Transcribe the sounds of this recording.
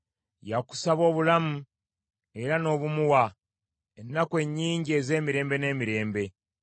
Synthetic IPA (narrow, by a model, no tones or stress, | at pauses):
jaku̥saβo̞ːβulamu | e̞ɾano̞ːβumuwa | enːakwe̞ɲːiːɲɟie̞ːze̞ːmiɾe̞ːmbe̞ne̞ːmiɾe̞ːmbe̞